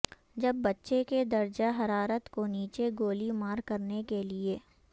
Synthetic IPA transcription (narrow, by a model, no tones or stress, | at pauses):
d͡ʒɐbːɐtːʃeked̪ɐɾd͡ʒaɦɐɾaːɾət̪koniːt͡ʃeɡoːlimaːɾkɐɾnekelieː